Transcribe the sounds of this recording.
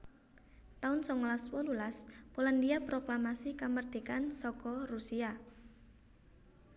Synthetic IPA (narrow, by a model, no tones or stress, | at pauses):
t̪aʊnsɔŋlaswɔlulaspolandiapɾoklamasikamərd̪̥e̤kansɔkɔrusia